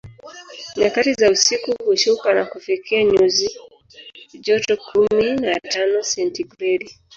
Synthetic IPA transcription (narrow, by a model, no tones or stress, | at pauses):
ɲakatizausikuhuʃukanakufikʰiaɲuzi | d͡ʒɔtɔkʰuminatanɔsɛntiɡɾɛɾi